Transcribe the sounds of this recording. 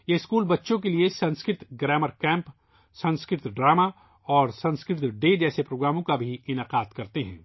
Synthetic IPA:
jeskuːlbɐtːʃõk̬eliesɐ̃nskɾɪt̪ɡɾɛːməɾkɛ̃ːmp | sɐ̃nskɾɪt̪ɖɾaːma | ɔːɾsɐ̃nskɾɪt̪ɖeːd͡ʒɛːsepɾoːɡɾaːmõkabʱiɪnaqaːd̪kɐɾt̪eɦɛ̰̃ː

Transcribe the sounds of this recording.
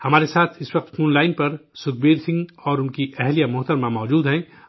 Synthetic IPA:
hɐmaːɾesaːt̪ʰɪsʋɐq̚t̪fuːnlaːɪnpɐɾsʊk̚beːɾsɪ̃ŋɡɔːɾʊnkiʔɛɦlijamʊɦt̪əɾmãmɔːd͡ʒuːd̪ɦɛ̃ː

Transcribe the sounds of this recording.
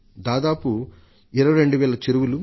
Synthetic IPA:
d̪aːd̪aːpu | iɾɐʋɐɾe̞ɳɖuʋɛːɭɐt͡ʃeɾuʋulu

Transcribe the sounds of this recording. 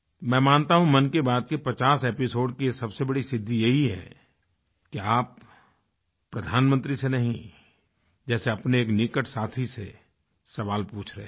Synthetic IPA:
mɛ̃ːmãːnt̪aɦũmɐnkebaːd̪̚kipɐt͡ʃaːseːpɪsoːɖkijesɐbsebɐɽisɪd̪ʱːijɐɦiɦɛ̰̃ | kiaːp | ɾɐd̪ʱaːnmə̃nt̪ɾisenɐɦĩ | d͡ʒɛːseɐpneeːknɪkəʈʰsaːt̪ʰise | sɐʋaːlpuːt͡ʃʰɾɐ̰ɦe

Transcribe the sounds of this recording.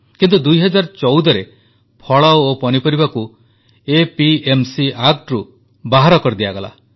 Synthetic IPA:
kint̪ud̪ujɦɔd͡ʒaɾɔt͡ʃɔwd̪ɔɾe | pʰɔɭaoopɔnipɔɾibaku | epiemsiakʈɾu | baɦaɾɔkɔɾid̪iaɡɔla̰

